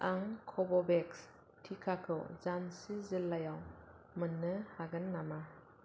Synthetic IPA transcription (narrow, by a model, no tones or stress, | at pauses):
ʔaŋkʰɔbɔbeks | tʰikʰakʰɯ̰wzansizɯlːajaw | mɯnːɯhaɡɯnːama